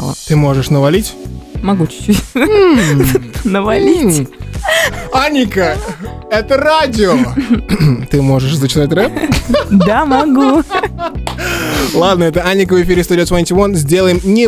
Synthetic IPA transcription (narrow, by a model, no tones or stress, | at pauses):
lˠə̰t̪ɨmo̞ʐɨʂnəvɐlʲitʲmɐɡut͡ɕɪ̥t͡ɕu | nəvɐlʲi | anʲɪkəɛt̪əradʲɪo | t̪ɨmo̞ʐɨʂzət͡ɕɪzatʲrɛpd̪amɐɡu | lˠad̪nəɛt̪əanʲːɪkəvɨfʲiɾʲɪst̪udʲɪosvanʲtʲɪvonzʲdʲe̞lˠəjɪmnʲɪ